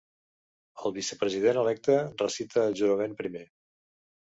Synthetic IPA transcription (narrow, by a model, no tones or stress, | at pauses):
əlˠβisəpɾəziðenəlɛk̚t̪ərəsit̪ʰəːlʒuɾəmempɾime